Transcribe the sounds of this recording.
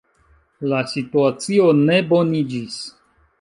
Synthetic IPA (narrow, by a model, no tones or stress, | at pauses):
lasituat͡sio̞ne̞bo̞nid͡ʒis